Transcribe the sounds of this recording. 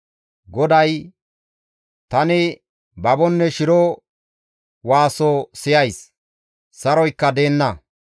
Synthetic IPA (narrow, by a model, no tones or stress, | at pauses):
ɡɔd̪ɐj | t̪ɐnɪ | bɐbɔnːɛʃɪɾɔ | waːsosɪjɐjs | sɐɾɔjkːɐd̪e̞ːnːɐ